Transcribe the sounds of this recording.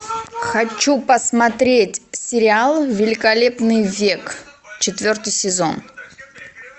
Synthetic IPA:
xɐt͡ɕːupəsmɐt̪ɾʲetʲsʲɪɾʲɪalˠvʲɪlʲɪkɐlʲepnɨjvʲekt͡ɕɪt̪vʲo̞rt̪ɨjsʲɪzo̰n

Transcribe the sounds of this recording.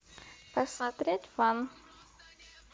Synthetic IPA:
pɐsmɐt̪ɾʲetʲvam

